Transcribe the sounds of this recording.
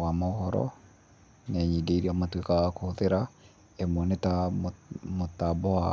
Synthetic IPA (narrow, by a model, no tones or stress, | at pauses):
amaohɔɾɔ̰ | nɛɲideiɾiamatwekakohoðeɾa | emwɔneta | motːabɔa